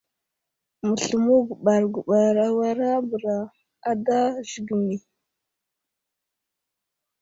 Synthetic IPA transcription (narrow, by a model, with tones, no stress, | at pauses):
mə˨ɬu˨mu˦ɡu˨ɓa˨ɾɡu˨ɓa˨ɾa˨wa˦ɾa˦bə˨ɾa˨ | a˨da˦ʒi˨ɡi˨mi˨